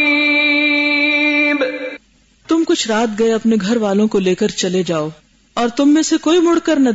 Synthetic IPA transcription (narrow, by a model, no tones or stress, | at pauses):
b | t̪ʊmkʊt͡ʃʰɾaːt̪ɡɐeɐpneɡʱɐɾʋaːlõkoleːkəɾt͡ʃɐled͡ʒaːoː | ɔːɾt̪ʊmːẽsekoːimʊɽkɐɾnɐ